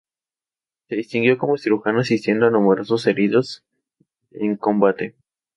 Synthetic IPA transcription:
se̞ðist̪iŋɡjo̞ko̞mo̞siɾuxanasist̪je̞nd̪oanumeɾo̞so̞se̞ɾiðo̞s | eŋko̞mbat̪e̞

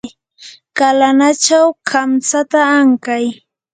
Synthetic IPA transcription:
kalanat͡ʃawkʰamsat̪aːŋkaj

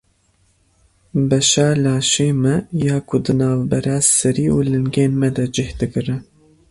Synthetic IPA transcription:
bɛʃaːlaːʃeːmɛjaːkʰʊd̪ɨnaːvbɛɾaːsɨɾiːṵːlɨŋɡeːnmɛd̪ɐd͡ʒɪhd̪ɨkɨɾɨ

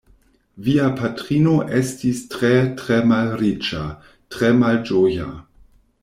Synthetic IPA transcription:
viapʰatɾino̞ʔestistɾetɾemalɾit͡ʃa | tɾemald͡ʒoja̰

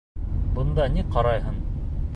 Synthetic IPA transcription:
bɤ̆nd̪ɑniqɑɾɑjɦɤn

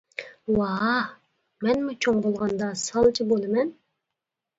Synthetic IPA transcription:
wɑ | mɛnmut͡ʃʰoŋbolˠʁɑnd̪ɑsɑlˠt͡ʃʰibolˠɨmɛn

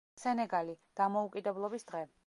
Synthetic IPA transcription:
sɛnɛɡalid̪̥amɔukʼid̪ɛblˠɔbisd̪̥ʁɛ

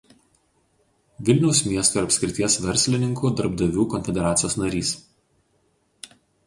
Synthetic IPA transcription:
ʋʲɪlʲnʲɛʊsʲmʲiɛst̪oɪɾɐpʲsʲkʲɾʲɪt̪ʲiɛsʋʲɛɾʲsʲlʲɪnʲɪŋkuːd̪ɐɾbd̪ɐʋʲuːkɔnʲfʲɛd̪ʲɛɾɑːt̪sʲɪjoːsnɐɾʲiːs

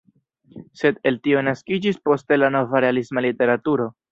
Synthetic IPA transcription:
se̞de̞ltio̞naskid͡ʒispo̞ste̞lano̞vaɾe̞alismalite̞ɾatuɾo̞

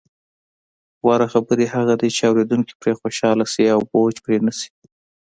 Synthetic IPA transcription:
wɑɾaxabəɾehaɣad̪it͡ʃeawɾed̪uŋki̥pɾexoʃɑlasiawbod͡ʒpɾenəsi̥

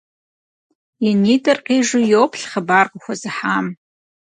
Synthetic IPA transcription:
jinitʼɨrqʲʼiʐɨjopʰɬχabarqʼaxʷazɨħam

